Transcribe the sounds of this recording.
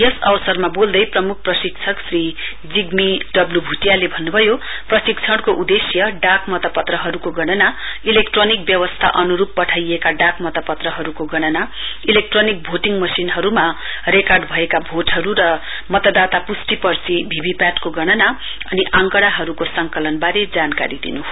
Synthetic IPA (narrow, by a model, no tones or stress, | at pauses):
jʌsʌbʌsʌrmabold̪ʌjprʌmuk̚ʰprʌsik̚t͡sʰʌksri | d͡ziɡmiɖʌblubʱuʈjalebʱʌnːubʱʌjo | prʌsikt͡sʰʌɽ̃koʔud̪esjʌɖakmʌt̪ʌpʌt̪rʌɦʌɾukoɡʌɽ̃ʌna | ilekʈronik̚bjʌwʌst̪ʰa̰ʔʌnuɾupːʌʈʰajekaɖakmʌt̪ʌpʌt̪rʌɦʌɾukoɡʌɽ̃ʌna | ilek̚ʈronik̚bʱoʈiŋɡmʌsinɦʌɾuma | rekarɖbʱʌekabʱoʈɦʌɾuɾʌ | mʌt̪ʌd̪at̪apusʈipʌrt͡sibʱibipaʈkoɡʌɽ̃ʌna | ʌniʔaŋkʌɽaɦʌɾukosʌŋkʌlʌnbaɾed͡zanka̰ɾid̪ḭnu